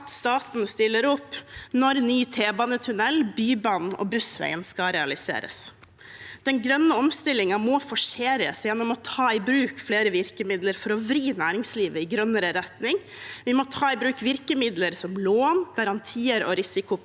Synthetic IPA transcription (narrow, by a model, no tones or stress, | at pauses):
t̪st̪ɑːt̪n̩st̪ɪlːəɾɔpːnɔɾnyːt̪ʰeːbɑnət̪ʰʉnɛlbyːbɑnɔ̰bʉsʋæ̰ɪənskɑɾɛɑlɪsḛːɾə̰s | d̪̥ɛnɡɾœnːəɔmst̪ɪlɪŋɑmɔːfɔʂeːɾə̰sjɛnɔmɔt̪ʰɑːɪbɾʉːkfleːɾəʋɪɾkəmɪd̪ləɾfɔɾɔʋɾiːnæːɾɪŋsliːʋəɪɡɾœnəɾəɾɛt̪nɪŋ | ʋɪmɔt̪ʰɑːɪbɾʉːkʋɪɾkəmɪd̪ləɾsɔmloːnɡ̥ɑɾɑnt̪ʰiːəɾɔ̰ɾɪsɪkʊ